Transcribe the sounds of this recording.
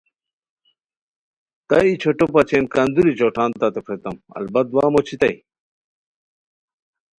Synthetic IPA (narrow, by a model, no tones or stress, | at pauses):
t̪ɐit͡ɕʰoʈopɐt͡ɕeːnkaːnd̪uɾit͡ɕoːʈʰaːnt̪ɐt̪epʰɾet̪ɐmɐ̰lbɐt̪̚d̪waːmot͡ɕʰit̪ɐj